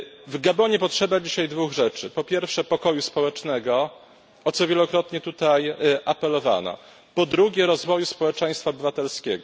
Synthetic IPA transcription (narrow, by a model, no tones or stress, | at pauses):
vɡabɔɲɛpɔtʂɛbad͡ʑiɕajd̪vuɣʐɛt͡ʂɘpɔpʲjɛɾfʂɛpɔkɔjuspɔwɛt͡ʂnɛɡɔ | ɔt̪sɔvʲjɛlɔkɾɔt̪ɲɛt̪ut̪ajʔapɛlɔva̰nɔ̰ | pɔd̪ɾuɡʲɛɾɔzvɔjuspɔwɛt͡ʂɛj̃st̪faɔbɘvat̪ɛlskʲɛ̰ɡɔ